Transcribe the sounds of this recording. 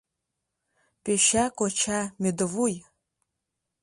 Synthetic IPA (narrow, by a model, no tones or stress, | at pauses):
pʼeʃakʷʼɔt͡ʃʰamedɨvuj